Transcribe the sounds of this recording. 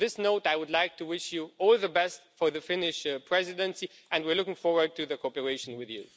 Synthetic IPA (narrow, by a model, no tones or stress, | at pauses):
ðɪsnoʊtaɪwʊdˡlaɪk̚tʰɨwɪʃjuɔlˠðəbɛstfə˞ðɨfɪnɪʃpʰɹ̥ɛzɪdə̃nsi | ɨ̃ndwiɹlʊkɪ̃ŋfɔɹwə˞d̚tɨðɨkʰopəɹeɪʃə̃n̩wɪðjʉ̰